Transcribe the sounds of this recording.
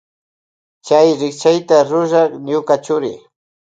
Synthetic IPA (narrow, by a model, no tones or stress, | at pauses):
t͡ʃajɾɪk̚t͡ʃajt̪aɾʊʒɑχɲʊkat͡ʃʊɾɪ̰